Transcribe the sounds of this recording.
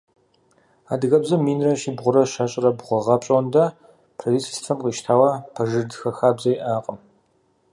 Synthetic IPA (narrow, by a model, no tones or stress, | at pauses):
a̰ːdɨɣɐbzɐmːiːnrɐʃiːbʁʷʊɾɐɕɐɕʼɐrɐbʁʷɔʁɐpɕʼɐndɐ | pʰrɐdiːsstʰɐmqiːʃtʰaːwɐpʰɐʒɨdxɐxaːbzɐjʔaːqʼəm